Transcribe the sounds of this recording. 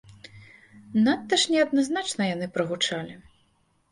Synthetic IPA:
nat̪ːɐʂnʲɛɐd̪̚naznat͡ʂnɐjanɨpɾɐɣut͡ʂalʲi

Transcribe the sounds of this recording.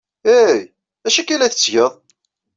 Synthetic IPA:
æj | æʃækːælæθə̥t͡sːʝəðˤ

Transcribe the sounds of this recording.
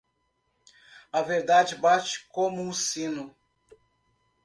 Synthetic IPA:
ɐveɾd̪ad͡ʒibat͡ʃi̥komʊːsinu

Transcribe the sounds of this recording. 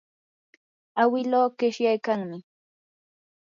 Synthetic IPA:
awɪloːkɪʃjajkaŋmɪ

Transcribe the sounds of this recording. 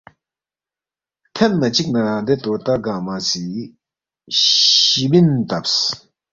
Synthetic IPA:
t̪ʰɛnnat͡ɕik̚naɾad̪et̪ot̪aɡamasiː | ibint̪ap̚s

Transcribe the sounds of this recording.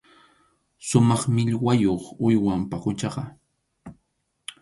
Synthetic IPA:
sʊmɑχmɪʎwajoχʊjwampaqʊt͡ʃɑɢɑ

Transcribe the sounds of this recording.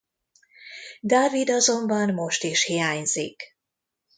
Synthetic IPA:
d̪aːvid̪ɒzo̞mbɒnmo̞ʃt̪iʃhijaːɲz̥ḭk

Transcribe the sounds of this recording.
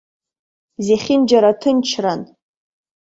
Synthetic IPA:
zeχʲɪnd͡ʒaɾatʰɨnt͡ʃʰran

